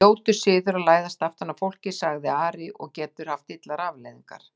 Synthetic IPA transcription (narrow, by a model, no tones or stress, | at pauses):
oːwt̪ʏ̥sɪːðʏɾawlaːjðast̪aft̪anːafowl̥cɪsaɣðɪaːɾɪʔɔ̰ɣcɛːt̪ʏɾ̥haft̪ɪt̪laɾaːvlejðiŋka̰ɾ̥